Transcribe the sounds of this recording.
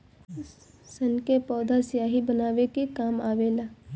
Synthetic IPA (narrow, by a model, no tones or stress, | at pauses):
sənkepɔːd̪ʱasjaːɦibənaːʋekikaːmaːʋeːlaː